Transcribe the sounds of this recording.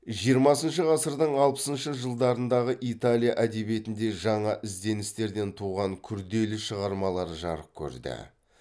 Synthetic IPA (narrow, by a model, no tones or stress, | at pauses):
ʒijəɾmɑsənʃəʁɑsəɾd̪əɴɑlˠpə̥sənʃəʒəlˠd̪ɑɾənd̪ɑʁəʔit̪alʲijaʔæd̪e̞bje̞t̪ɪnd̪e̞ʒɑɴɑʔɪzd̪e̞nɪst̪e̞ɾd̪e̞nt̪ʰuʁɑŋkʲʰʏɾd̪e̞lɪʃəʁɑɾmɑlˠɑɾʒɑ̰ɾəp̚kʲʰɵ̰ɾd̪ɪ̰